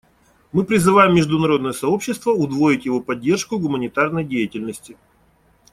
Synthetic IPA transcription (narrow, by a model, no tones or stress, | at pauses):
mɨpɾʲɪzɨvajɪmːʲɪʐd̪ʊnɐɾo̞d̪nəjəsɐo̞pɕːɪst̪vəʊd̪vo̞ɪtʲjɪvo̞pɐdʲːe̞rʂkʊɡʊmənʲɪt̪arnəjdʲejɪtʲɪlʲnəsʲtʲɪ